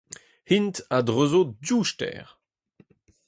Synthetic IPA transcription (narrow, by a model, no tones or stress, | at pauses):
hintadʁøzoduʃtɛ̰ːʁ